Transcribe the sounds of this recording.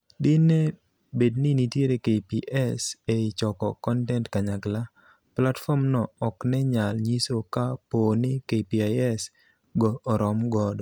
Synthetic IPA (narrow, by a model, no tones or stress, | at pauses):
dɪne | bednɪnitjeɾekepiʔɛseɪt͡ʃɔkɔkɔntɛntkaɲaɡla | platfɔmnɔːknɛɲalɲisokapoːnɪkepiajɛs | ɡɔːɾɔmɡɔdɔ